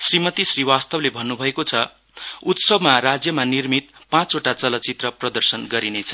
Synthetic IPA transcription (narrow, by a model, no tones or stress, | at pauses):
srimʌt̪isriwast̪ʌblebʱʌnːubʱʌekot͡sʰʌ | ut̪sʌbʱmarad͡zjʌmanirmit̪pãt͡soʈat͡sʌlʌt͡sit̪rʌprʌd̪ʌrsʌnɡʌɾinet͡sʰʌ̥